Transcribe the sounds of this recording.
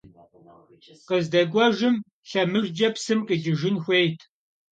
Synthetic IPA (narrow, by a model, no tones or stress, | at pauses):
qəzdɐɡʷɔʒɪm | ɬɐmɨʒd͡ʒɐpsɨmqəd͡ʒɪʒɪnxʷejtʰ